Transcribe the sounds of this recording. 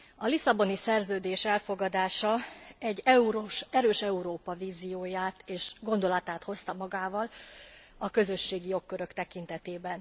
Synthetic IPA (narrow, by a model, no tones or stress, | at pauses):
ɒlisɒbo̞nisɛrzøːd̪eːʃɛlfo̞ɡɒd̪aːʃɒɛɟːɛuɾoʃɛɾøːʃɛuɾoːpɒviːzijoːjaːt̪eːʃɡo̞nd̪o̞lɒt̪aːt̪ho̞st̪ɒmɒɡaːvɒl | ɒkø̞zø̞ʃːeːɡijo̞kːøɾø̞kt̪ɛkint̪ɛt̪eːbɛn